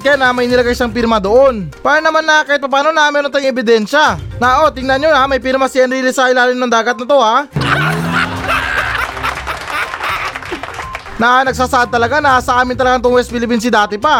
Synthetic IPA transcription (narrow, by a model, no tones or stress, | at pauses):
kɐjanamɐjnɪlɐɡajʃaŋpiɾmɐd̪o̞ʔo̞npaːɾɐnɐmanːɐkaːjɪt̪̚pɐp̬aːno̞nɐmɛːɾo̞nt̪ajŋʔɛbɪd̪ɛnʃanaʔo̞t̪ɪŋnɐnjoamɐjpiɾmɐsɪʔɐnɾiːlɪsɐʔɪlaːlɪnnɐŋd̪aːɡɐt̪̚nɐt̪o̞ha | nɐnɐɡ̚saːsɐʔad̪̚t̪ɐlɐɡanɐsɐʔaːmɪnt̪ɐlɐɡaŋt̪oŋwɛsbɪlɪp̬ins̬ɪd̪aːt̪ɪpa